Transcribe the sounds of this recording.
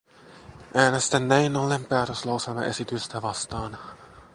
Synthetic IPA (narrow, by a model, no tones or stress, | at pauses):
ʔæːnest̪ænːæinolempæːt̪øslɑwse̞lmɑ̰ʔe̞̰sit̪yst̪æʋɑst̪ɑːn